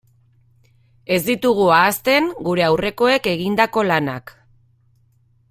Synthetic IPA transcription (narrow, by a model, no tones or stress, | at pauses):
e̞zd̪it̪uɣ̞uaːst̪e̞ŋɡuɾe̞awre̞ko̞e̞ke̞ɣind̪ako̞lana̰k